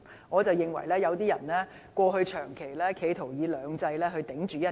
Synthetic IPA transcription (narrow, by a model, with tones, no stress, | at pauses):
ŋɔː˨˧t͡sɐ˨wjɪ˨ŋwɐ̰˨˩jlɛː˥jɐ˨˧wt̪iː˥jɐ˨˩nlɛː˥ | kʷɔː˧ɦɵ˧ɥt͡ʃʰœː˨˩ŋkʰe˨˩jlɛː˥kʰe˨˧jt̪ʰo˨˩wjiː˨˧lœː˨˧ŋt͡sɐ˧jlɛː˥ɦɵ˧t̪ɪ˨˥ŋt͡ʃyː˨jɐ˥